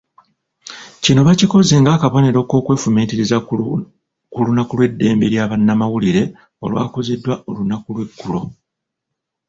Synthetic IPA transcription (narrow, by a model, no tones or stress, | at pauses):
cino̞βaciko̞ze̞ŋɡaːkaβo̞ne̞ɾo̞ːko̞ːkwe̞ːfumeːtiɾiza | kulunakulwe̞dːe̞ːmbe̞ɾjaːβanːamawuliɾe̞ | o̞̰lwa̰ːko̞zedːwaʔo̞lunakulwe̞kːulo̞̰